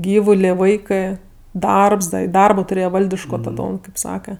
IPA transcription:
ˈɡʲiːʋʊlʲeː ˈʋɐɪkɜ ˈdɐrps dɐ ɪ ˈdɐrboː tʊˈrʲeːjɛ ˈʋɐlʲdʲɪʃkoː tɐˈdoːm kɐɪp ˈsɑːkɐ

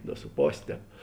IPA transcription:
doː sʊ ˈpoːsʲ ˈtʲɛːp

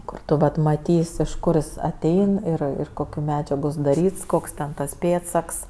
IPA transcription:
ˈkʊr tʊ ˈʋɐt mɐˈtʲiːsʲ ɪʃ ˈkʊr jɪs ɐˈtʲɛɪn ˈɪr ˈɪr ˈkoːkʲʊ ˈmʲæːd͡ʒʲɛɡʊ sʊdɐˈrʲiːts ˈkoːks tʲɛn ˈtɐs ˈpʲeːtsɐks

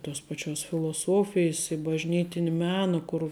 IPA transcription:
toːs pɐˈt͡ʃʲoːs fʲɪlˠoːˈsoːfʲɪjs ɪ bɐʒʲˈnʲiːtʲɪnʲɪ ˈmʲæːnɐ kʊr

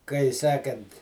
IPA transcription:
kɐɪ ˈsʲæːkɐnt

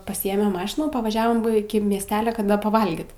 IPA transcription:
pɐˈsʲiːeːmʲeːm ˈmɑːʃʲɪnuː pɐʋɐˈʒʲæːʋoːm ɪkʲɪ mʲiɛsʲˈtʲæːlʲɛ kɐ ˈdɐ pɐˈʋɐlʲɡʲiːt

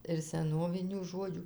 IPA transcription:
ɪr sʲɛˈnoːʋʲɪnʲuː ˈʒoːd͡ʒʲuː

